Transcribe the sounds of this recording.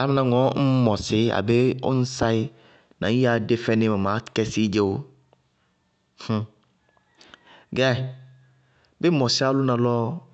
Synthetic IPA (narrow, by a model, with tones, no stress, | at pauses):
a˦mɪ̃˦nã˨ŋɔ̃˦m̩˦mɔ˨sɪ˦a̰˨be˦o̰˦n̩˦sa˦ɪ˦ | nã̰˨˦ja˨de˦fɛ̃˦nɪ̃˦mã˨mã˨˦kɛ˦si˦d͡ʒe˦wo˦ | h̩˦ | ɡɛ˦˨ | bɪ˦mɔ˨sɪ˦a˦lʊ˦nã˨lɔ˦